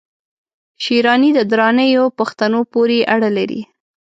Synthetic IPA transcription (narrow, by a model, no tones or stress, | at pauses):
ʃiɾɑnid̪əd̪ɾɑnəjopaxt̪anopoɾeʔaɽəlaɾḭ